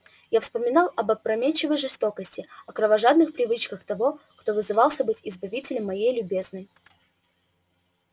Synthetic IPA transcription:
jafspəmʲɪnɑlˠɐbəpɾɐmʲet͡ɕːɪvəjʐɨst̪o̞kəsʲtʲɪɐkɾəvɐʐad̪nɨxpɾʲɪvɨt͡ɕkəxt̪ɐvo̞kt̪o̞vɨzɨvɑlˠsʲəbɨtʲɪzbɐvʲitʲɪlʲəmːɐjejlʲʊbʲe̞znəj

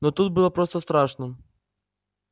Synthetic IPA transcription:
nɔt̪ut̪̚bɨlˠɔpɾɔst̪ɔst̪ɾɑʂnɔ

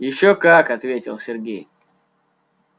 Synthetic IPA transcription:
jɪɕːokakɐt̪vʲetʲɪ̰lˠsʲɪrɡʲej

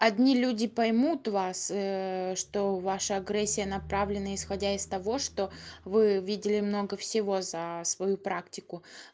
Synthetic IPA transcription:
ɐdʲnʲilʲudʲɪpɐjmut̪vasʂt̪o̞vaʂəɐɡɾɛsʲːɪjənɐpɾavlʲɪnəɪsxɐdʲaɪst̪ɐvo̞ʂt̪o̞vɨvʲidʲɪlʲɪmno̞ɡəfsʲɪvo̞zəsvɐjupɾaktʲɪkʊ

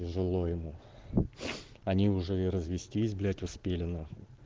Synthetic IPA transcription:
ɪʐɨlˠojɪmu | ɐnʲiʊʐɛiɾəzvʲɪsʲtʲiːzʲblʲætʲʊspʲelʲɪnə

